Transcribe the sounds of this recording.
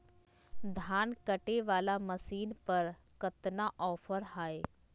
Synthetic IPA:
d̪ʱaːnkɐʈeʋaːlamɐsiːnpɐɾ | kət̪naʔɔːfʰəɾɦaːe

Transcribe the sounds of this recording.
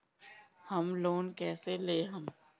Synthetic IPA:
hɐmloːnkɛːseleːɦɐm

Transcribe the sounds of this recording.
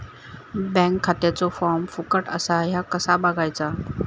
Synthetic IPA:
bɛ̃ŋkʰːat̪jat͡sofɔɾmfukəʈə̰saɦjakəsabaɡajt͡sa

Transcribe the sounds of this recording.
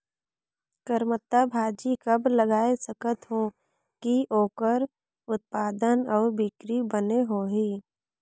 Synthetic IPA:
kəɾmət̪ːabʱaːd͡ʒikəbləɡaːesəkət̪ɦõ | kiʔoːkəɾ | ʊt̪̚paːd̪ənɔːɾbɪkɾibəneɦoːɦiː

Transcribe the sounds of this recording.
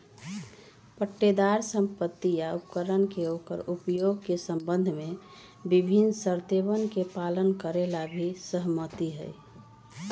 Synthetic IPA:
pəʈːed̪aɾsə̃mpət̪ːijaupkəɾənkeokə̰ɾupjoɡ̚kesə̃mbə̃nd̪ʱmẽ | bibʱinsəɾt̪eβənkepalənkəɾelabʱisəɦmət̪iɦə̰j

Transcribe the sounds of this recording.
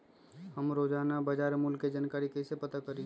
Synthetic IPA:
ɦəmɾoːd͡ʒaːnabəd͡ʒaːɾmʊlkːed͡ʒankaːɾikəsepət̪akəɾi

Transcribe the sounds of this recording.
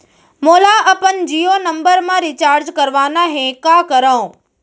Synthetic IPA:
moːlaʔɐpənd͡ʒiːjonɐ̃mbəɾmãɾit͡ʃaːɾd͡ʒkɐɾʋaːnaɦẽkaːkəɾəõ

